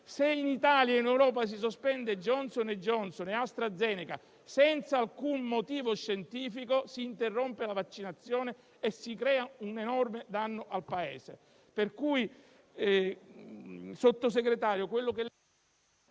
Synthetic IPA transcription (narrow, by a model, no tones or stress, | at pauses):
seinit̪aːljainewɾɔːpas̬is̬ospɛnd̪ed͡ʒɔnsoned͡ʒːɔnsoneast̪ɾad̪zːɛːneka̰ | sɛnt̪saːlkunmot̪iːvoʃːent̪iːfikosiːnt̪erːompelavat͡ʃːinat̪sːjɔːneː | sːikɾɛːaunenɔrmed̪anːoʔalpaḛːsḛ | perkui | sot̪ːos̬eɡɾet̪aːɾjokwelːoke